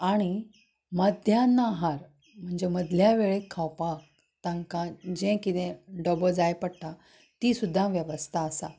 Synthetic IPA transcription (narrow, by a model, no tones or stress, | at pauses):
aɽ̃i | məd̪ʱjanːaɦaɾ | m̤əɳd͡ʑeməd̪ʱljaʋeɭekʰawpak̚ | t̪ãŋkãd͡ʑẽkit̪ẽɖɔbəd͡zajpəɽʈ̪a | t̪isud̪ʱːãʋjəʋəst̪ʰaːsa̰